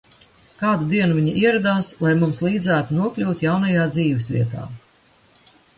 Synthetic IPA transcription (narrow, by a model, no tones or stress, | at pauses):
kaːd̪ud̪iɛnuvʲiɲiʔiɛɾad̪aːslˠajmumslˠiːd̪zæːt̪unuɔklʲuːt̪ʲjawnajaːd̪ziːvɛsvʲḭɛt̪a̰ː